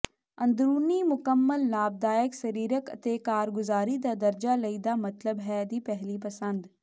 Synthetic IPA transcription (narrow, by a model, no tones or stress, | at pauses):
ɐ̃nd̪ɾuːnimʊkəmːəlnaːb̚d̪aːjəksɐɾiːɾəkɐ̰t̪ekaːɾɡʊzaːɾid̪ad̪ɐɾd͡ʒalɐiːd̪amɐt̪ləbɦɛd̪iːpɛɦlip̬ɐsə̃nd̪